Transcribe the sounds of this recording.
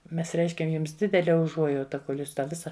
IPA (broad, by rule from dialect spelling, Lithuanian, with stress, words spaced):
ˈmʲɛs ˈrʲɛɪʃʲkʲɛm ˈjʊms ˈdʲɪdʲɛlʲɛ ʊˈʒuɔjɛʊtɐ koːlʲ ˈjuːs ˈtɑː ˈʋʲɪsɐ